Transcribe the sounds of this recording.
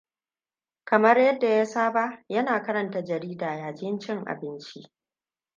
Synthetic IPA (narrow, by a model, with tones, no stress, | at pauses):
kɐ˨mɐ˦rjɐ˦dːa˨ja˦saː˦ba˦jɐ˦naː˨kɐ˦ɾɐ˨nta˦d͡ʒɐ˨ɾiː˦daː˨jaː˨d͡ʒɪ˦nt͡ʃɪ˦ŋʔa̰˨bɪ˦nt͡ʃi˦ʔ